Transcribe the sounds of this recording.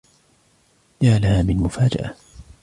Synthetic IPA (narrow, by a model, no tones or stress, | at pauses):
d͡ʒaʕalahaːmɪlmʊfaːd͡ʒa̰ʔa̰